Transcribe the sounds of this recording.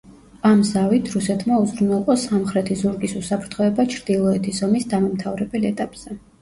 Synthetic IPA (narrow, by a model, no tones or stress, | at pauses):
amzavit̪ʰɾusɛt̪ʰmauzɾunɛlˠqʼɔsamχɾɛt̪ʰizuɾɡʼisusapʰɾt̪ʰχɔɛbat͡ʃʰɾd̪ilˠɔɛt̪ʰisɔmisd̪amamt̪ʰavɾɛbɛlɛt̪ʼapʼz̥ɛ